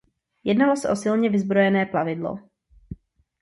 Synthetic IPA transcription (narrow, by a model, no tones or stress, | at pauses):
jɛdnalo̞sɛʔo̞sɪlɲɛvɪzbɾo̞jɛnɛːplavɪdlo̰